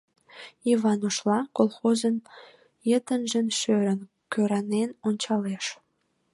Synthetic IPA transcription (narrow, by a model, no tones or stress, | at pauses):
iβɑnoʃlɑkolxozən | jət̪ənʒənʃøɾən | køɾɑnenonʲt͡ɕɑleʃ